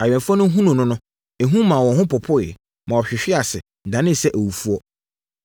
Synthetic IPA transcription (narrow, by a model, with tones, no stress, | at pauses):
a˨ɥᶣɛ̃˨nfa˦nʊ̃˦ɦũ˦nʊ̃˨nʊ̃˦nʊ̃˦ | e˨ɦũ˦mã˨wɔ̃˨ɦʊ̃˦pʊ˨pʰʊ˦ɪ˨ | mã˨ɔ˨ɕᶣɪ˨ɕᶣɪ˦a˨sɪ˨dã˨nɪ̃˦˨sɛ˦ʔæ˨wu˨fu˦ɔ˦˨